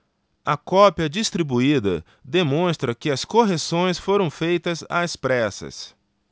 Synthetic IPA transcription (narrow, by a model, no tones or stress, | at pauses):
ɐkɔpjɐd͡ʒist̪ɾibuid̪ɐ̰ | d̪emõst̪ɾɐkɪɐskoɦesõj̃sfoɾɐ̃w̃fejt̪ɐza̰spɾɛsɐ̰s